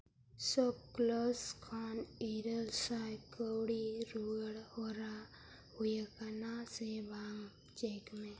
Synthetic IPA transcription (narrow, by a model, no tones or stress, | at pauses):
səb̚kloːskʰaːniɾəlsaːjkəwɽiɾuəɽhoɾa | hʊjakanasebʱaːŋɡ | t͡ʃeːkmẽ